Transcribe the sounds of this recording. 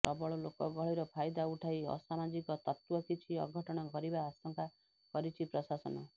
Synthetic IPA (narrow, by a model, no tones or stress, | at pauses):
ɾɔbɔɭɔlokɔɡɔɭiɾɔpʰajd̪auʈʰajɔ̰samad͡ʒikɔt̪ɔt̪wɔkit͡ʃʰiɔ̰ɡʱɔʈɔɽ̃ɔkɔɾibaːsɔŋka | kɔɾit͡ʃʰipɾɔsasɔnɔ